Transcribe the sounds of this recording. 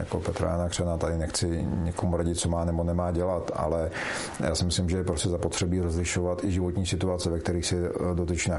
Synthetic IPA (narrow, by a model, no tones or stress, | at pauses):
ja̰ko̰pɛt̪ɾa̰janakr̝̥ɛnat̪adɪnɛxt͡sɪɲɪkomuɾaɟɪt̪̚t͡somaːnɛbonɛmaːɟɛlat̪a̰lɛ | ja̰ːsɪmɪslɪmʒɛjɛpɾoscɛzapot̪r̥ɛbiːɾozlɪʃovat̪ɪʒɪvot̪ɲiːsɪt̪uat͡sɛvɛkt̪ɛɾiːxsɪdot̪ɛt͡ʃna